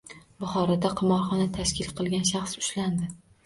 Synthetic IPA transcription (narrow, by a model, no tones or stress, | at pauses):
bʊχɒɾad̪aqʰɨmɒɾχɒnat̪ʰaʃkʲʰɪlqʰɨlˠɡʲanʃaχsʊ̥ʃland̪ɪ